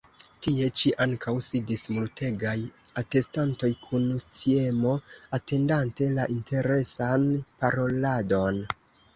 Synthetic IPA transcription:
tie̞t͡ʃiʔaŋkʰawsidismultʰe̞ɡaj | ate̞stanto̞jkʰunst͡sie̞mo̞ate̞ndante̞laʔintʰe̞ɾe̞sanpaɾo̞lado̞n

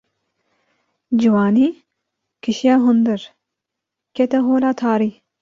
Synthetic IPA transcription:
d͡ʒiwaːni | kʰiʃijaːɦʊnd̪ɨɾ | ket̪ɐɦoːlat̪ʰaːɾi

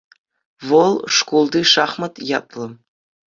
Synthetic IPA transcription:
vɤlˠʂkulˠd̪iʂɑχmɤ̆t̪jɑ̰t̪ʼlˠɤ̆

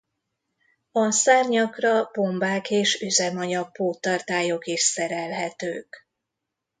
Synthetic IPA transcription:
ɒsaːrɲɒkrɒb̥o̞mbaːkeːʃyzɛmɒɲɒk̚poːt̪ɒrt̪aːjo̞kiʃsɛɾɛlɦɛt̪ø̰ːk

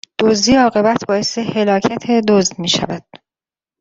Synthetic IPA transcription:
d̪̥ozd̪iːɒːɣe̞bæt̪ʰbɒːje̞sehe̞lɒːcʰæt̪ʰed̪ozd̪miːʃæ̰væd̪̥̚

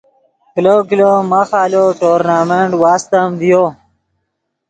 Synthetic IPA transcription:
kilokilomaxaːloʈoːɾnaːmeɳʈwaːst̪əmd̪ijo

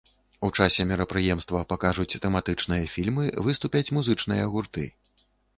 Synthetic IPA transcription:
ut͡ʂasʲɛmʲɛɾɐpɾɨjɛmst̪vɐpakaʐut͡sʲt̪ɛmat̪ɨt͡ʂn̪ɨjɐfʲilʲmɨvɨst̪upʲɐt͡sʲmuzɨt͡ʂnɨjɐɣurt̪ɨ̰

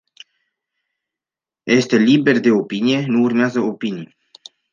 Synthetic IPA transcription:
jest̪e̞liberd̪e̞opinije̞nuːrmeazəopini

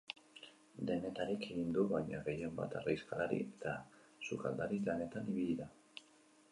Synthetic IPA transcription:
d̪e̞ne̞t̪aɾike̞ɣind̪uβajɲa̰ɣe̞je̞mba̰t̪ariskalaɾḭet̪a | suka̰ld̪aɾilane̞t̪aniβiʎiða

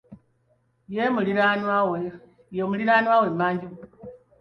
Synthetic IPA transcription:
jemuliɾanawe | jemuliɾaːnwawemːaːɲɟiu

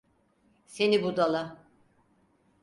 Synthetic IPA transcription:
senibud̪alˠa

